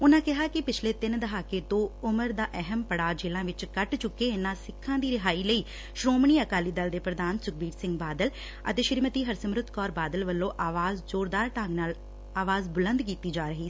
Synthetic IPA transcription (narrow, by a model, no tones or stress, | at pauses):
ʊnãːkɪɦaːkɪpɪt͡ʃʰleːt̪ɪnd̪əɦaːkeːt̪õːʊməɾd̪aːʔɛɦəmpəɽaːd͡ʒeːlãːʋɪt͡ʃkəʈt͡ʃʊkːeːɪnãːsɪkʰːãːd̪iːɾɪɦaːiːləiː | ʃɾoːmɳiːəkaːliːd̪əld̪eːpɾəd̪aːnsʊk̚biːɾsɪ̃ŋɡbaːd̪əl | ə̰t̪eːʃɪɾmət̪iːɦəɾsəmɾʊt̪ʰkɔːɾbaːd̪əlʋəlːõːʔaːʋaːzd͡ʒoːɾd̪aːɾʈãːŋɡnaːl | aːʋaːzbʊlə̃nd̪kiːt̪iːd͡ʒaːɾəɦiː